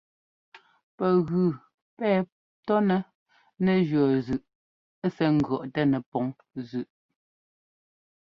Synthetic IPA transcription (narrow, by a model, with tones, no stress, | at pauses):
pɛ˨ɣʉ˨ | pɛː˦˨ | tɔ˦nɛ˨ | nɛ˨d͡ʒɥɔ˨zʉ˨ʔ | sɛ˦ŋ̩˨ɡɰɔ˨ʔtɛ˦nɛ˨pɔ˨˦ŋ | zʉ˨ʔ